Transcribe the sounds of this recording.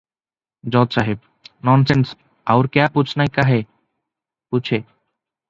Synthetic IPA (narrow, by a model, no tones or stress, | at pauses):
d͡ʑɔt̪ʃaɦib̚ | nɔnsens | awɾkaput͡ɕʰnajkaɦe | put͡ɕʰe